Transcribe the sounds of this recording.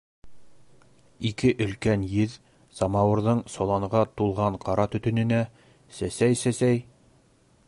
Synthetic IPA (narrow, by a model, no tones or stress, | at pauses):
ikɘʔɵ̆lkænjɘð | sɑmɑwɤ̆ɾðɤɴsolˠɑɴʁɑt̪ulˠʁɑɴqɑɾɑt̪ɵ̆t̪ɵ̆nɘ̆næ | sæsæjsæsæj